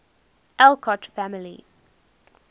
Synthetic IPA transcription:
ʔɛlkʰɔtfæmɪlḭ

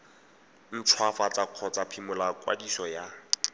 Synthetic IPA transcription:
n̩t͡sʰwafat͡saq͡χʰɔt͡sapʰimʊlakwa̰disɔja

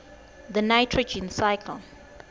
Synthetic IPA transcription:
ðənatʰɹəd͡ʒĩnsaɪkʰəl

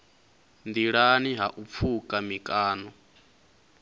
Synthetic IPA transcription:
nd̪iɺaniɦaʔup̪fʰukʼamikʼaːnɔ

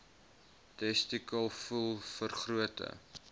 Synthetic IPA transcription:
tɛstikəlˠfulˠfərχruətə̰

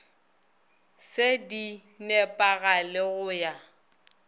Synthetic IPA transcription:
sedi | nɛpʼaɣalɪɣʊja

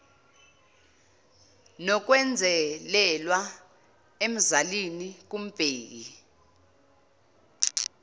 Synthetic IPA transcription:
nɔk̬ʼwɛnd͡zʱɛlɛlwa | em̩zalinik̬ʼum̩b̥ʼʱeːi

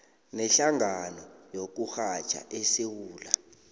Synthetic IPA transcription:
nɛɬaŋanɔjok̬uxḁt͡ʃʰʼa̰ʔesewuːla

